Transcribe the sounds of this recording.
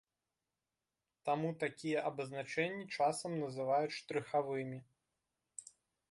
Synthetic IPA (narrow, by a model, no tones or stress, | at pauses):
t̪amut̪akʲijɛʔɐbɐznat͡ʂɛnʲːit͡ʂasɐmnɐzɨvajuʂt̪ɾɨxavɨmʲi